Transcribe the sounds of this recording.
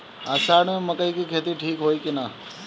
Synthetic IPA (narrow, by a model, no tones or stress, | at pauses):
aːsaːɽeməkəikikʰeːt̪iʈʰiːkɦoːjkina